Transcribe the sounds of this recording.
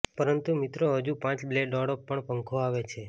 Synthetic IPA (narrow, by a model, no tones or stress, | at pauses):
pəɾənt̪umɪt̪ɾoɦəd͡ʒupãt͡ʃbleɖɔɽopːəɳpəŋkʰoaʋet͡ʃʰe